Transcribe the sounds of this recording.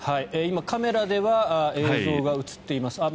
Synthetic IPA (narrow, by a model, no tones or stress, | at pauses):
haieimakame̞ɾad̪e̞βaeːzo̞ːɡaɯ̟t͡sɨ̥t̪ːe̞imasɨa